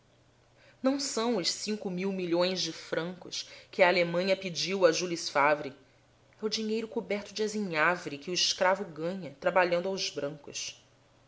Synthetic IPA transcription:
nɐ̃w̃sɐ̃w̃ʊʃsĩŋkʊmiwmiʎõj̃zd͡ʒɪfɾɐ̃ŋkʊ̰skɪaːlemɐ̃ɲɐpid͡ʒiwɐʒulisfavɾi | ɛʊd͡ʒiɲejɾʊkubɛɾt̪ʊd͡ʒɪaziɲavɾikɪʊiʃkɾavʊɡɐ̃ɲɐt̪ɾabaʎɐ̃nd̪ʊawzbɾɐ̃ŋkʊ̰s

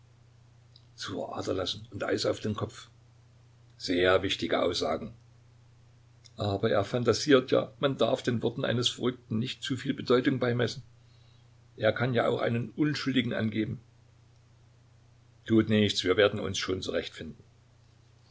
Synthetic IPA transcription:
t͡suːfɐ̰ʔa̰ːtɐlasn̩ʊntʔa̰ɪsaʊfd̥eːnkʰɔp͡f | z̥eːɐvɪçtɪɡəʔa̰ʊsz̥a̰ːɡŋ̩ | ʔaːbɐʔḛːɐfantaziːɐtʰja̰ːmandaɐfd̥eːnvɔɐtn̩ʔa̰ɪnəsfɐʁʏk̚tn̩nɪçtt͡suːfiːlbədɔʏtʊŋbaɪmɛsn̩ | ʔeːɐkʰanjaːʔa̰ʊxʔa̰ɪnənʔʊnʃʊldɪɡŋ̩ʔa̰nɡeːbm̩ | tʰuːtnɪçt͡sv̥iːɐveːɐdn̩ʊ̰nsʃoːnt͡suʁɛçtfɪndn̩

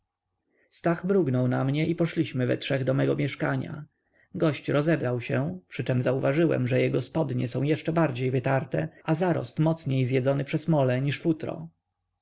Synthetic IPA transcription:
st̪aɣbɾuɡnɔwnamɲɛʔipɔʂlʲiɕmɘvɛ̰tʂɛɣd̪ɔmɛɡɔmʲjɛʂkaɲa̰ | ɡɔɕt͡ɕɾɔzɛbɾawɕɛpʂɘt͡ʂɛmzauvaʐɘwɛ̰mʐɛjɛɡɔspɔd̪ɲɛ̰sɔ̃w̃jɛʂt͡ʂɛbaɾd͡ʑejvɘt̪aɾt̪ɛazaɾɔ̰st̪mɔt̪sɲejzjɛzɔnɘpʂɛzmɔlɛɲiʂfut̪ɾɔ̰

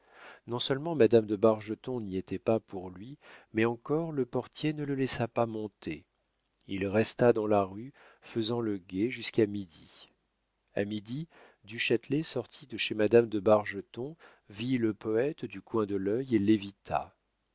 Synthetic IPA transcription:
nɔ̃sœlmɑ̃mad̪amd̪əbaʁʒət̪ɔ̃niet̪ɛpapuʁlɥimɛɑ̃kɔʁləpɔʁt̪jenələlɛsapamɔ̃t̪e | ilʁɛst̪ad̪ɑ̃laʁy | fəzɑ̃ləɡʲeʒyskamid̪i | a̰mid̪i | d̪yʃat̪lesɔʁt̪ʰid̪əʃemad̪amd̪əbaʁʒət̪ɔ̃ | viləpɔɛt̪d̪ykwɛ̃d̪əlœjelːevit̪ʰa̰

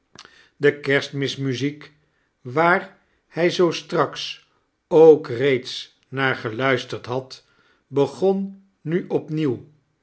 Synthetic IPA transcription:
dəkɛɹstmɪsmyzik | ʋaːɹ | hɛjzowstrɑks | owkrejts | naːɹχəlœɥstəɹtɦɑt | bəχɔn | nyʔɔpniw

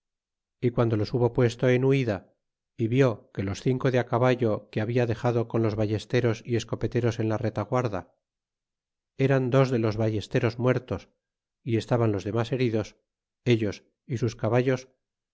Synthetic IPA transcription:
ikwand̪o̞lo̞suβo̞pwe̞st̪o̞enuiða | iβjo̞ke̞lo̞sθiŋko̞ðeakaβaʎo̞keaβiaðe̞χaðo̞konlo̞zβaʝe̞st̪e̞ɾo̞sie̞sko̞pe̞t̪e̞ɾo̞se̞nlaret̪aɣwaɾða | e̞ɾand̪o̞zðe̞lo̞zβaje̞st̪e̞ɾo̞zmwe̞ɾt̪o̞s | ie̞st̪aβanlo̞zðe̞mase̞ɾiðo̞s | e̞ʎo̞s | isuskaβaʎos

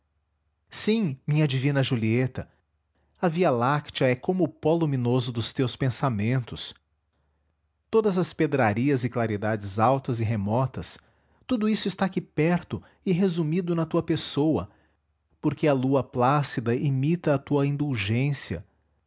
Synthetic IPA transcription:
sĩmĩɲɐd͡ʒivĩnɐʒuliet̪ɐ | ɐvialakt͡ʃɐɛkõmʊːpolumĩnozʊd̪ʊst̪ewspẽsamẽnt̪ʊs | t̪od̪ɐzɐsped̪ɾaɾiɐzɪklaɾid̪ad͡ʒɪzawt̪ɐzɪɦemɔt̪ɐs | t̪ud̪ʊisʊɪst̪akɪpɛɾt̪ʊ | ɪɦezumid̪ʊnɐt̪uɐpesowɐ | poɾkeɐluɐplasid̪ɐʔimit̪ɐːt̪uɐĩnd̪uwʒẽsiɐ̰

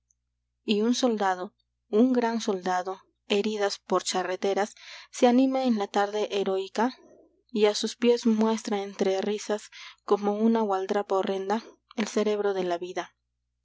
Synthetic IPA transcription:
iunso̞ld̪að̞o̞ | uŋɡɾanso̞ld̪aðo̞ | e̞ɾiðaspo̞ɾt͡ʃaret̪e̞ɾasːeanimaenlat̪aɾðe̞ʔeɾo̞jka | iasuspje̞zmwe̞st̪ɾaent̪ɾe̞risasko̞mo̞unawald̪ɾapaore̞nd̪a | else̞ɾe̞βɾo̞ðe̞laβiða

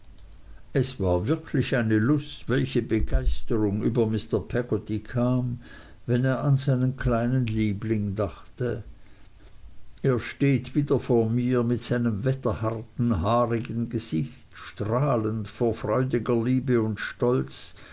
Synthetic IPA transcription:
ʔɛsv̥aːɐvɪɐkʰlɪçaɪnəlʊstv̥ɛlçəbəɡaɪstəʁʊŋʔy̰ːbɐmɪstɐpʰɛɡotikʰaːm | vɛneːɐʔanzaɪnənkʰlaɪnənliːblɪŋdaχtə | ʔeːɐʃteːtv̥iːdɐfoːɐmiːɐmɪtz̥aɪnəmvɛtɐhaʁtn̩ɦaːʁɪɡənɡəz̥ɪçtʃtʁ̥aːləntfoːɐfʁ̥ɔʏdɪɡɐliːbəʊntʃtɔlt͡s

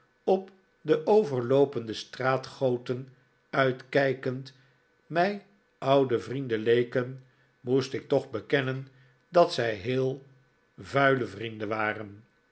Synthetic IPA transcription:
ɔp | dəʔowvəɹlowpəndəstraːtχowtən | œɥtkɛjkənt | mɛj | ʔɑwdəvrindəlejkən | mustɪk̚tɔχbəkɛnən | dɑtsɛjɦɪːlˠ | vœɥləvrindəʋaːrən

